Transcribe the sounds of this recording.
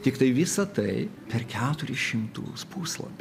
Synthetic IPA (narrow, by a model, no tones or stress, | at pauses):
t̪ʲɪkt̪ɐɪʋʲɪsɐt̪ɐɪpʲɛɾkʲæːt̪ʊɾʲɪʃʲɪmt̪ṵːspuːslˠɐ̰pʲ